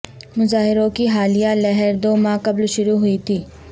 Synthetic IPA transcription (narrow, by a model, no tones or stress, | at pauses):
mʊzaːɦɪɾõkiɦaːlijalɛɦɛɾd̪oːmãːkɐblʃʊɾuɦʊit̪ʰiː